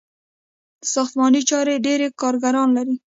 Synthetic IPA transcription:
d̪̥əsɑxt̪mɑnit͡ʃɑɾeɖeɾekɑɾɡaɾɑnlaɾi

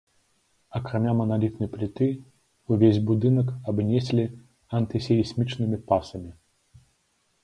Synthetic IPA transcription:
ɐkɾamʲamɐnalʲit̪̚nɐjplʲit̪ɨ | uvʲezʲbud̪ɨnɐkabnʲɛsʲlʲi | ɐnt̪ɨsʲɛjisʲmʲit͡ʂnɨmʲipasɐmʲi

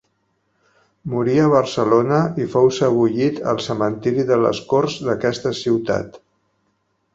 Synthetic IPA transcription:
muɾiəβ̞ərsəlonəifowsəβ̞uʎit̪ə̰lˠsəmənt̪iɾiðələ̰skorzðəkɛst̪əsiwt̪a̰t̪

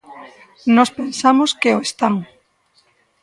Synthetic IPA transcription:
nɔspensamoskeoest̪aŋ

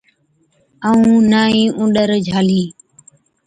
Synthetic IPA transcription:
aːũːnaːĩːʔũːɗəɾd͡ʒʱaːliː

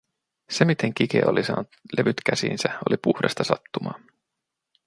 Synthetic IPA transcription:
se̞mit̪ʰe̞ŋk̟ik̟e̞̰ːolʔisɑ̰ːnut̪le̞ʋyt̪kæsḭːnsæo̞lipuhɾest̪ɑsɑt̪ːumɑ̰ː

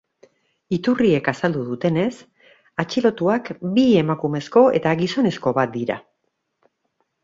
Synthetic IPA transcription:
it̪urie̞kasald̪uðut̪e̞ne̞s | at͡ʃilo̞t̪uakbie̞makume̞sko̞e̞̰t̪aɣiso̞ne̞sko̞βat̪̚d̪iɾa̰

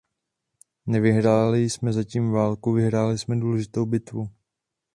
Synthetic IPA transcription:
nɛvɪɦɾaːlɪjsmɛzaciːmvaːlkuvɪɦɾaːlɪsmɛduːlɛʒɪt̪owbɪt̪vu

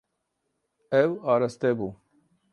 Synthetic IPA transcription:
ewaːɾɐst̪ebu

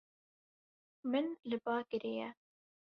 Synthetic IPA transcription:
mɨnlɨbɑːkɨɾejɛ̰

